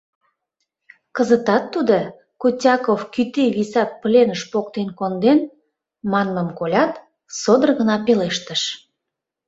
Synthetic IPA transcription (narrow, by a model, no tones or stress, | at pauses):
kəzət̪ɑt̪ːud̪ə | kutʲɑkofkyt̪iβisɑpplʲenəʃpok̚t̪enkond̪en | mɑnməmkolʲɑt̪ | sod̪ərɣənɑpeleʃt̪əʃ